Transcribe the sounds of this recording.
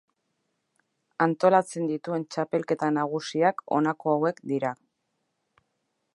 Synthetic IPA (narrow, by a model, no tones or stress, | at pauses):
ant̪o̞lat͡se̞nd̪it̪ue̞nt͡ʃape̞lke̞t̪anaɣ̞usiako̞̰nako̞awe̞kd̪iɾa